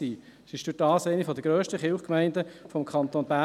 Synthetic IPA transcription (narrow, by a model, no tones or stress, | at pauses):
iː | sɪʃd̥ʊd̥ɑːsæɪnifɔd̪əɡ̥ɾøːʃtəχɪlχkmɛɪndəfɔmkʰχɑnt̪onbæ